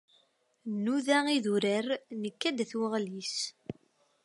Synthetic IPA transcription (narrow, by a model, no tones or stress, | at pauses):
nːuðæiðuɾərnəkːæd̪θwəʁlis